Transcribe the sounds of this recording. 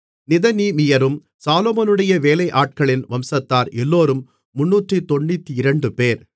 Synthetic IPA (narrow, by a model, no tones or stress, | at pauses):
nɪðɐniːmɪjɐɾɯm | saːloːmɐnɯɽɐjɐʋeːlɐɪʔaːʈ̚kɐɭɪnʋɐmsɐt̪ːaːɾɛlːoːɾɯmː | ʊnːuːʈrit̪ɔɳːit̪ːiɪɾɐɳɖɯpeːɾ